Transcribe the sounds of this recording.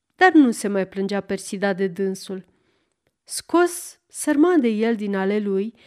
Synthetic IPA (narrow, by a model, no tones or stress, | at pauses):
d̪̥arnuse̞majplɨnd͡ʒape̞rsid̪ad̪e̞d̪ɨnsul | sko̞sː | ərmad̪e̞je̞ld̪inale̞luj